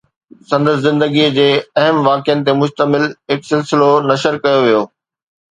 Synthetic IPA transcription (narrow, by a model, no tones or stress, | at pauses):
sɐ̃nd̪əs̬zɪ̃nd̪əɡid͡ʑeːɐɦəmʋaːkɪjənɪ̆t̪̬emʊʃt̪əmɪlɦɪksɪlsɪlonɐʃəɾkɐjoʋijoː